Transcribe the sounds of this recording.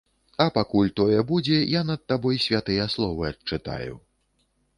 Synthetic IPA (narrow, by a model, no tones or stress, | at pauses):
ɐpakulʲt̪ɔjɛbud͡zʲɛjanɐd̪̚ːabɔjsʲvʲat̪ɨjɐslˠɔvɨɐt͡ʂɨt̪a̰jṵ